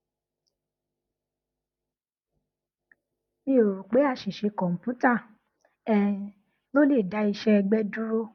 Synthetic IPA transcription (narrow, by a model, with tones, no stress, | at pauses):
nĩ˦o˨ɾu˨k͡pe˨˦a˧ʃi˨ʃe˧kɔ̃˨m̩˨pu˦ta˦˨ | ɛ˦ | lo˦le˦˨da˨˦i˧ʃɛ˦ɛ˧ɡ͡bɛ˦du˦ɾo˦